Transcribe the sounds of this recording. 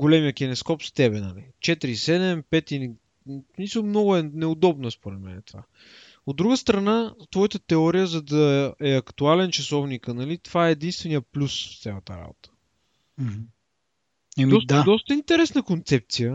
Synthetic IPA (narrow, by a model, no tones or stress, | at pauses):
ɡolɛmijək̟ɛnɛskɔpst̪ɛbɛnɐ̰lḭt͡ʃɛt̪ɾisɛd̪ɛmpɛt̪ini | smisəlˠmnɔɡʊɛnɛʊd̪ɔbnəspoɾɛd̪mɛ̰nɛt̪ova̰ | od̪ːɾuɡəst̪ɾɐnat̪vɔjət̪ət̪ɛɔɾijəzɐd̪ɐɛɐkt̪ualɛnt͡ʃɐsɔvniknɐlit̪ovaɛːd̪inst̪vɛnijəplʲusft̪sʲɛlˠət̪əɾa̰bot̪ə̥ | ɛɔst̪ad̪ɔst̪əint̪ɛɾɛsnəkont̪sɛp̚t̪sijə